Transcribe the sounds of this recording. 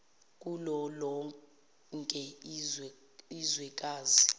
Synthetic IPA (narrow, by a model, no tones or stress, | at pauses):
k̬ʼulɔlɔ | ŋkʼɛ | izwɛkʼaːzi